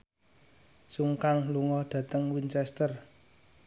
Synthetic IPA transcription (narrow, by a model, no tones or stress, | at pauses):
suŋkaŋluŋɔɖ̪̥ä̤t̪əŋwint͡ʃɛst̪ər